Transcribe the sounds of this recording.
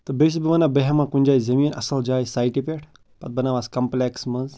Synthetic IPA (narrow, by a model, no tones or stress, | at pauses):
t̪ɨbes̬ibiʋɐnabəɦɐmãkunʲd͡ʒaːjzɐmiːnɐ̰sɐld͡ʒaːjisaːjʈipʲeʈʰ | pɐt̪̚bɐnaːʋaskɐmpleksmɐz